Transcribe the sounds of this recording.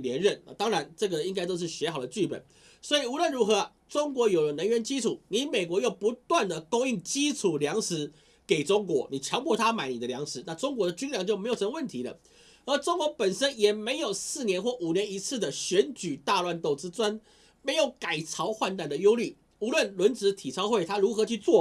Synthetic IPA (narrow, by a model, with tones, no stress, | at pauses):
ljɛ˧˦nɻə˥˨˩na˨˩t̪ɑ˥ŋɻa˧˦nʈ͡ʂɤ˥˩ɡə˩i˥ŋk̬a˥ɪt̪o˥ʊʂ̬̩˥˩ɕɥɛ˧˥xɑ˨˩ʊd̪ə˦t͡ɕy˥˩pə̰˨˩n | swɔ˧˥i˨˩u˧˥lwə˥˨nɻu˧˥xɤ˧˦˧ | ʈ͡ʂʊ˥ŋkwɔ˧˥jo˨˩ʊlə˩nə˧˦ŋɥɛ˧˦˥nt͡ɕi˦ʈ͡ʂʰu˨˩ni˨˥me˨˩ɪkwɔ˧˥jo˥˩ʊpu˧˦t̪wa˥˩nd̪ə˩ko˥ŋi˥˩ŋt͡ɕi˦ʈ͡ʂʰu˨˩ljɑ˧˥ŋʂɻ̩˧˥ | ke˨˩ɪʈ͡ʂʊ˥ŋkwɔ˧˦ni˨˩t͡ɕʰjɑ˧˥ŋpʰɔ˥˧t̪ʰa˦ma˨˩ɪni˨d̪ə˦ljɑ˧˥ŋʂɻ̩˧˥˦na˥˧ʈ͡ʂʊ˥ŋk̬wɔ˧˥d̪ə˨t͡ɕy˥nljɑ˨˧˦ŋt͡ɕo˥˩ʊme˧˥ɪjo˨˩ʊʂʰmə˧wə˥˩nt̪ʰi˧˥lə̰˧ | ə˞˧˥ʈ͡ʂʊ˥ŋkwɔ˧˥pə˨˩nʂə˥njɛ˨˩me˧˥ɪjo˨˩ʊsɹ̩˥˩njɛ˧˦˥nxwɔ˥˩ʔu˨˩njɛ˧˦ni˧˥t͡sʰɹ̩˥˩d̪ə˩ɕɥɛ˧˥nt͡ɕy˨˩t̪a˥˧lwa˥˧nt̪o˥˩ʊt͡sɹ̩˥t͡swa˥n | me˧˥ɪjo˨˧˥ʊka˨˩ɪt͡sʰɑ˧˥ʊxwa˥˧nt̪a˥˩nd̪ə˩jo˥ʊly˥˩ | u˧˥lwə˥˩nlwə˧˥nt͡sɻ̩˧˥t̪ʰi˨˩t͡sʰɑ˥ʊxwe˥˩ɪt̪ʰa˥ɻu˧˥xɤ˧˥t͡ɕʰy˥˧t͡swɔ˥˨